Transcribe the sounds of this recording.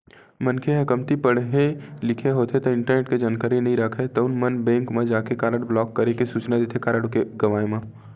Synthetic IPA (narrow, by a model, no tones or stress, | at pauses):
mənkʰeɦɐkəmt̪ipəɽɦelɪkʰeɦoːt̪ʰet̪oɪ̃ɳʈəɾneːʈked͡ʒaːnkaːɾinəɦĩɾəkʰet̪oʊnmənbɛ̃ːŋkmẽd͡ʒaːkekaːɾəɽblɔːkːɐɾekesuːt͡ʃnad̪eːt̪ʰekaːɾəɽkeɡɐʋaːemã